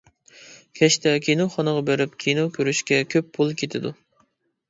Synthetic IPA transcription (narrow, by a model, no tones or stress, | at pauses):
kʲʰɛʃt̪ʰɛkʲʰinoχɑnəʁɑbeɾɪpkʲʰinokʲʰøɾyʃkʲɛkʲʰøpːʰulˠkʲʰet̪ʰɪd̪u